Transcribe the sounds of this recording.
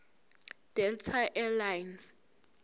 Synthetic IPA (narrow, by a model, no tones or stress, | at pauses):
d̥ɛltʰaʔɛlajns